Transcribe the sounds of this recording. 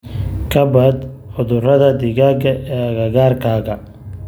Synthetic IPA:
kʰɐbɐd̪ | ħʊðʊrɐðɐd̪ɪɣaɡɐɛɣɐɣaːrkʰaːɣɐ

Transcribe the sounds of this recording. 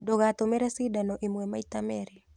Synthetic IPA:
dɔɣat̪ɔmɛɾasidanɔʔimwɛmait̪amɛɾɛ

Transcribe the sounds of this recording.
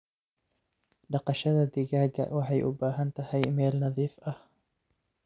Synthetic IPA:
ɖɑqɑʃɐðɐd̪ɪɣaːɡɐ̰wɑħɑjʔʊbaːɦɐnt̪ʰɐhɛjmɛːlnɑðiːfʔɐh

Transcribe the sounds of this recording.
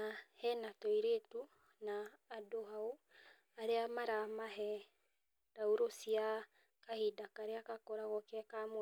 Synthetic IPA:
ahɛnatɔiɾetu | naːdoɦau | aɾeamaɾamaɦɛ | dauɾosia | kahidakaɾeakakoɾaɣɔkɛkamo

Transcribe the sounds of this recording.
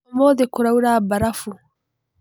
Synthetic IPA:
moːdekuɾauɾabaɾafu

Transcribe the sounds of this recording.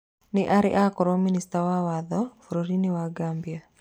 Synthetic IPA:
nɪʔaɾɪ̰ʔakɔɾɔministawawaðɔfoɾoɾinɪwaɡambja

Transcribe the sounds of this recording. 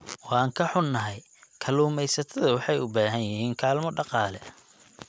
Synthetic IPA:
wɑːŋkʰɐħʊnːɐɦɛj | kʰɐluːmɛjsɐt̪ʰɐðɐwɑħɑjʊbaːɦɐnjɪɦiːŋkʰaːlmɔɖɑqɑːlɛ

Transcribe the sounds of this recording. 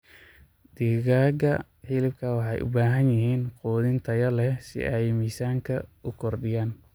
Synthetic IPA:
d̪̥iɣaːɡɐ | ħɪlɪb̚kʰɐwɑħɑjʔʊ̰baːɦɐnjɪɦiːnquːðɪnt̪ʰɐjɐlɛsɪ̰ʔɛjmiːsaːŋkʰɐʊkʰɔrd̪ɪjaːn

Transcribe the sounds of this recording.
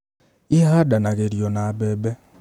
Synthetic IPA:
iɦadanaɣeɾjonaabebe

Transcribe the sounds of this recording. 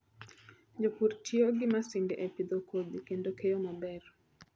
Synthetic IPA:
d͡ʒopurtioɡɪmasɪndɛʔepid̪okod̪ikendokejomabɛr

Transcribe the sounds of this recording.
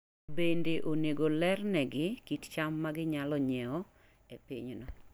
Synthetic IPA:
bendeʔoneɡolɛrnɛɡɪkitt͡ʃamːaɡɪɲalɔɲɛɔ | epiɲnɔ

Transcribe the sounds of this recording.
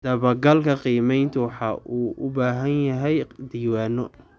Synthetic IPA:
d̪̥ɐβɐɡɐlkʰɐqiːmɛjnt̪ʰʊwɑħɑʔuːʔʊbaːɦɐnjɐɦɛjd̪iːwaːnɔ

